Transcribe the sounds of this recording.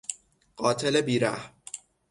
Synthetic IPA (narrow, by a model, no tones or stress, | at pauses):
ɢ̥ɒːt̪ʰelebiːɾæ̰hm